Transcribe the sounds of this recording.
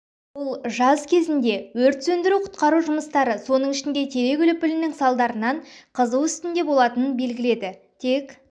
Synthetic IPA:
bʊlˠʒɑzkʲʰe̞zɪnd̪e̞wɵɾt̪sɵnd̪ɪɾuqʰʊ̥t̪qɑɾuʒʊməst̪ɑɾəso̞nəɴɪʃɪnd̪e̞t̪ʰe̞ɾe̞ɡʲʏlɪpːɪlɪnɪŋsɑlˠd̪ɑɾənɑɴqʰəzəwʏst̪ɪnd̪e̞bo̞lˠɑt̪ənənbe̞lɡʲɪle̞d̪ɪ | t̪ʰe̞k

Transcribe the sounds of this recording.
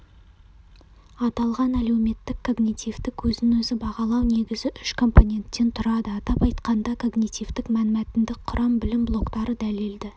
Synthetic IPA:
ɑt̪ɑlˠʁɑnæle̞wme̞t̪ːɪkʰːo̞ɡnʲit̪ijvt̪ɪkwʰɵznɪnwɵzɪbɑʁɑlˠɑwne̞ɡʲɪzɪʔʏʃkʰo̞mpo̞nʲe̞nt̪ːe̞nt̪ʰʊɾɑd̪əɑt̪ɑpɑjt̪qɑnd̪ɑkʰo̞ɡnʲijt̪ijvt̪ɪkmænmæt̪ɪnd̪ɪk̚qʰʊɾʔɑmbɪlɪmblˠo̞kt̪ɑɾəd̪æle̞ld̪ɪ

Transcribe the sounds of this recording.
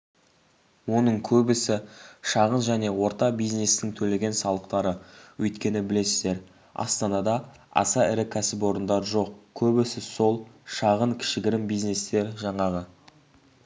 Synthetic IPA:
wo̞nəɴkʲʰɵbɪsɪʃɑʁənʒæne̞wo̞ɾt̪ɑbijzne̞st̪ɪŋt̪ʰɵle̞ɡʲe̞nsɑlˠəq̚t̪ɑɾəwɵjt̪kʲe̞nɪbɪle̞sɪzd̪e̞ɾ | ɑ̰st̪ɑnɑd̪ɑ | ɑ̰sɑɪɾɪkʲʰæsɪp̬wo̞ɾənd̪ɑɾəʒo̞q̚kʲʰɵbɪsɪso̞lˠʃɑʁənŋkʲʰɪ̥ʃɪɡʲɪɾɪmbijzne̞st̪e̞ɾʒɑɴɑʁə

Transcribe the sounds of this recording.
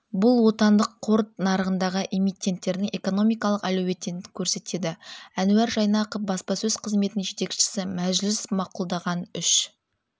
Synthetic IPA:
bʊlˠwo̞t̪ɑnd̪əqʰːo̞ɾt̪̚nɑɾəʁənd̪ɑʁəʔe̞mijt̪ʲːe̞nt̪ːe̞ɾd̪ɪŋe̞ko̞no̞mijkɑlˠəqælɵwe̞t̪ːenɪkʲʰɵɾse̞t̪e̞d̪ɪænʉæɾʒɑjnɑqofbɑspɑsɵzqʰəzme̞t̪ɪnɪnʒe̞t̪e̞kʃɪ̥sɪmæʒlɪsmɑqulˠd̪ɑʁɑnʏʃ

